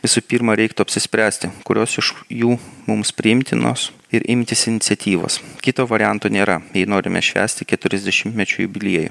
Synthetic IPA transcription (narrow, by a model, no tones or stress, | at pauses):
ʋʲɪsupʲiːɾmɐɾʲɛɪkt̪ʊɐpʲsʲɪsʲpʲɾʲæːsʲt̪ʲɪkʊɾʲʔoːsɪʃjuːmʊmspʲɾʲɪɪmʲt̪ʲɪno̰ːs | ɪɾʔɪmʲt̪ʲɪsɪnʲɪt̪sʲɛt̪ʲiːʋo̰ːskʲɪt̪oːʋɐɾʲɪjænt̪oːnʲeːɾɐjɛɪnoːɾʲɪmʲɛ̰ʃʲʋʲæ̰ːsʲt̪ʲɪkʲɛt̪ʊɾʲɛzʲd̪ʲɛʃʲɪmʲt̪mʲɛt͡ʃʲʊjṵːbʲɪlʲiɛjʊ̰ː